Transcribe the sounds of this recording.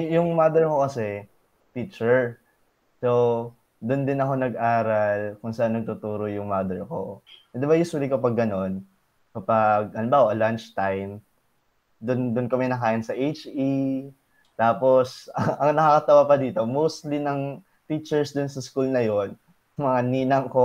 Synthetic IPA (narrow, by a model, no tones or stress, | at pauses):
jʊŋmaːd̪ɛɹko̞kɐsɛ | t̪it͡ʃɛɹ | sow | d̪ʊnd̪ɪnɐko̞nɐɡ̚ʔaːɾɐlkʊnsɐʔanːɐɡ̚t̪ʊt̪uːɾojʊŋmaːd̪ɛɹko̞̰ʔɛnd̪ɪbɐjust̪wlikɐpɐɡːɐno̞n | kɐpɐɡ̚ɐlɪmbaoʔɐlɐnt͡ʃt̪ajm | d̪ʊnd̪ʊnkɐmɛnɐkaːjɪnsɐʔejt͡ʃi | t̪aːpo̞sɐŋʔɐŋnɐkakɐt̪ɐwapɐd̪iːt̪o̞mowst̪linɐŋ | t̪it͡ʃɛɹsd̪ʊnsɐskulnɐjo̞n | mɐŋaniːnɐŋko